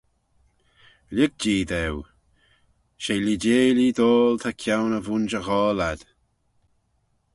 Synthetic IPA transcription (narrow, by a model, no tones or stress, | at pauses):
lʲɪk̚d͡ʒiːd̪ɛw | ʃeːlideːlid̪oːlt̪ʰakʰawnəvunʃəɣɔːlad̪̥